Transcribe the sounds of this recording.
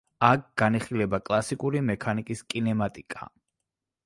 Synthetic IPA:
ak̚ʰɡ̥aniχilɛbakʼlˠasikʼuɾimɛkʰanikʼiskʼinɛmat̪ʼikʼa̰

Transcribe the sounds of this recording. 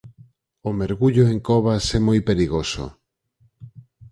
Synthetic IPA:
omeɾɣuʎoeŋkɔβasɛmojpeɾiɣoso̰

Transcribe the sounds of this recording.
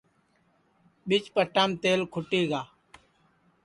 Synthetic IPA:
ɓɪt͡ʃpəʈːaːmt̪eːlkʰʊʈiːɡaː

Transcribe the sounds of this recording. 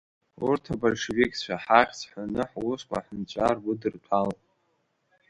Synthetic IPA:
urtʰabolʂevikʼt͡ʃʷʰaħaχʲt͡sʰħʷanɨħwuʃkʷʼa̰ħnt͡ɕʷʼarɡʊdɨrtʷʰalʼ

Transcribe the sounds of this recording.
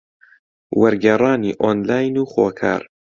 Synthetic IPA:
wɐɾɡɛrˤɑːniːʔoːnlaːjnuːχo̰ːkʰa̰ːɾ

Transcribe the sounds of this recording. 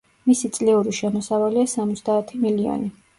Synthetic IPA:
misit̪sʼliuɾiʃɛmɔsavaliasamɔt̪sʰd̪aːt̪ʰimiliɔ̰ni

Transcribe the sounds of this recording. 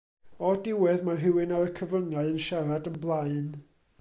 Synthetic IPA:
ɔdɪwɛðmaɦɪwɪnaɾəkʰəvəŋaɨənʃaɾadənblˠaɨn

